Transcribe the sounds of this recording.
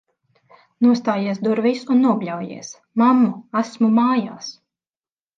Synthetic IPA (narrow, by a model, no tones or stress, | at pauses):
nuɔst̪aːjiɛsd̪uɾvisunːuɔɡʎʲawjḭɛs | mamːuasmumaːjaːs